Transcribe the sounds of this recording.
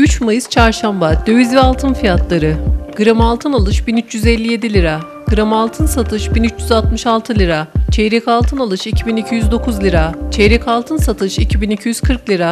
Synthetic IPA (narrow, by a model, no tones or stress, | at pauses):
yt͡ʃmajɯst͡ʃʰaɾʃambad̪øjizvɛalˠt̪ʰɯnfijat̪lˠaɾɯɡ̥ɯɾamalˠt̪ʰɯnalˠɯʃbinyt͡ʃjyzɛlʲːije̞d̪ilʲiɾa | ɡ̥ɯɾamalˠt̪ʰɯnsat̪ʰɯʃbinyt͡ʃjyzalt̪mɯʃalˠt̪ʰɯlʲiɾat͡ʃʰɛjɾɛcalˠt̪ʰɯnalˠɯʃicʰibinicʰyjyzd̪o̞kʰuzlʲiɾat͡ʃʰɛjɾɛcʰalˠt̪ʰɯnsat̪ʰɯʃicʰibinicʰyjyz̥kʰɯɾklʲiɾa